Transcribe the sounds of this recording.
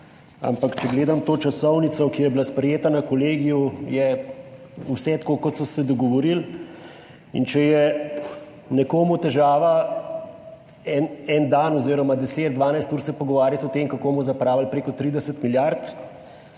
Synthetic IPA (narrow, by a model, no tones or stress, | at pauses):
a̰mpakt͡ʃɛɡleːd̪amt̪oːt͡ʃasɔwnit̪sɔkijɛjɛbilaspɾɛjeːt̪anakɔleːɡijujɛ | usɛt̪koːkɔt̪sɔsɛd̪ɔɡɔʋɔɾil | ḭnt͡ʃɛjɛ | nɛkoːmut̪ɛʒaːʋa | ɛnɛnd̪anɔziːɾɔmad̪ɛseːt̪̚d̪ʋaːnajst̪uːɾsɛpɔɡɔʋaːɾjat̪ɔt̪emkakomɔzapɾaːʋalpɾeːkɔt̪ɾiːd̪ɛsət̪miljaɾt̪